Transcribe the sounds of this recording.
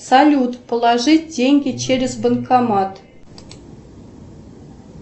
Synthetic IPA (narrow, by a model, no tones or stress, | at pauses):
sɑlʲut̪pə̆lˠɑʐɨt̚ʲd̪ʲeŋʲɡʲĕt͡ɕeɾʲɪzbə̆nkʰɑmɑt̪